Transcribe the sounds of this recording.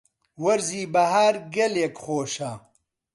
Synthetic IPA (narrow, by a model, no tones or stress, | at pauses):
wɐɾziːbɐhaːɾɡɐlekχoːʃa